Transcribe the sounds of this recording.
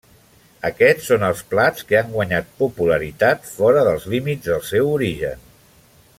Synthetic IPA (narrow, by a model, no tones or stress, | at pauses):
əkɛt͡ssːonəlˠsplat͡skeaŋɡwəɲat̪̚pupuləɾit̪at̪fɔɾəðəlˠzlimid͡zzðəlˠsɛwuɾiʒə̰n